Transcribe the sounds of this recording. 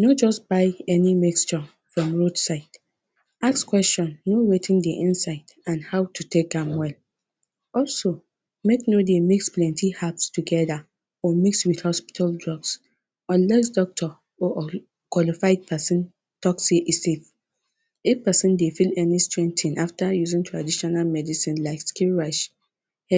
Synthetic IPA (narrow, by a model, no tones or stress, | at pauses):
nɔd͡ʒɔsb̥aɪɛnimikst͡ʃə | fɹɔ̃mɹodsaɪd | akskwɛst͡ʃɔ̃nːowetĩndiʔĩnsaɪd̥ãnhaʊtʰutʰek̚ɛ̃mwɛl | ɔlso | meknodemiksplɛ̃ntihapstuɡɛða | ɔmikswiθhɔspi̥tʰaldɹɔɡs | ɔ̃nlɛs̬dɔk̚tʰɔ | ɔʔ | kwalifaɪd̚pʰɛsĩn | tʰɔkseʔisif | epɛsĩndefilɛnistɹɛ̃ntʰĩnʔaftajuzĩŋtʰɹadiʃɔnalmɛdisĩnlaɪkskiɹaʃ | ɛ